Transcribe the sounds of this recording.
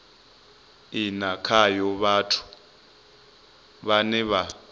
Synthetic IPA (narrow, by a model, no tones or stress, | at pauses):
inakʰajɔβatʰu̥ | βanɛβa